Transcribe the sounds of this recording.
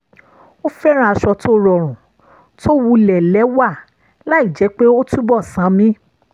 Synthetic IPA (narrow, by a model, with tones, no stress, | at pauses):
o˦fɛ˦ɾ̃ã˦a˧ʃɔ˧to˦ɾɔ˧˨ɾ̃ũ˨ | tʰo˦wu˧lɛ˨lɛ˨˦wa˦˨ | la˨˦i˦˨d͡ʒɛ˨˦k͡pe˦o˦tu˦bɔ˦˨sã˨˦mĩ˦